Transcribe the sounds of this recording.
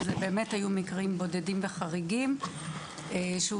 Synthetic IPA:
zebeːme̞thajumikʁimbo̞de̞dimveχaʁiɡim | ʃeu

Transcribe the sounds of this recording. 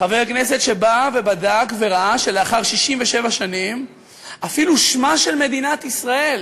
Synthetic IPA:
χaveʁakne̞set̪ʃe̞bave̞badakve̞ʁaʔaʃeleaχaʁʃiʃimve̞ʃe̞vaʃanim | ʔafiluʃmaʃe̞lme̞d̪inat̪isʁae̞l

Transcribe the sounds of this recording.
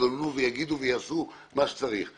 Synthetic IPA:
oluvejaɡid̪uvejasu | maʃe̥t͡saʁiχ

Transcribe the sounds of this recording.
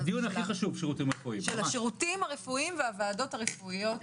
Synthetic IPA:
d̪ijuniaχiχaʃuvʃeʁutimɐʁefuimʃelaʃeʁutimhaʁefuimveaveaːdo̞taʁefuijo̞t

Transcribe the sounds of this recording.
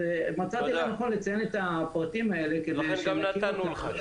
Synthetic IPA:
emat͡sat̪ianaχnulet͡sajenet̪apʁat̪imae̞lekedeɡamainul

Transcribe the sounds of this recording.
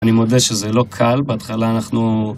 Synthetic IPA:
nimod̪eʃezelo̞kʰalbeat̪χalaːnaχnu

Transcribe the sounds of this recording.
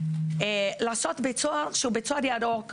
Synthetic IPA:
elaːsot̪bet͡soaʁʃeubet͡soad̪jadok

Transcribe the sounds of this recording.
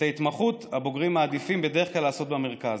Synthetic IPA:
tait̪maχutaboɡʁimaːd̪ifimbed̪eʁeχklalːaːso̞t̪̚bemeʁ̞kaz

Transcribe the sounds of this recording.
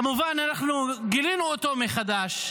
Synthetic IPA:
muvananaχnuɡilinuot̪o̞meχad̪aʃ

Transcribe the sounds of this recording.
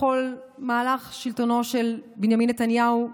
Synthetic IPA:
o̞lmaːlaχʃiltono̞ʃelbinjaminːet̪anjahu

